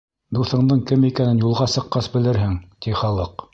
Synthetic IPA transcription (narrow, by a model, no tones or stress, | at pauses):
d̪uθɤ̆ɴd̪ɤɴkɘmikænɘnjulˠʁɑsɤ̆qːɑsbɘ̆lɘɾɦɘŋt̪iχɑlˠɤq